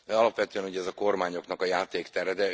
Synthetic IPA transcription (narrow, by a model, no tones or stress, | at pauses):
ɒlɒpʋɛt̪øːɛnuɟɛɛzɒko̞rmaːɲo̞knɒkɒjaːt̪eːkt̪ɛɾɛd̪ɛ